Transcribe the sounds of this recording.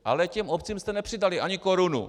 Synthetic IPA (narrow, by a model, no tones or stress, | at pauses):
ʔa̰lɛcɛmop̚t͡siːmst̪ɛnɛpr̝̥ɪdalɪʔaɲɪko̞ɾunṵ